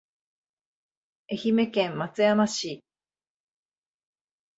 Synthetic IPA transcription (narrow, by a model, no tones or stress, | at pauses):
e̞çime̞kẽ̞mmːat͡sɨjamaɕi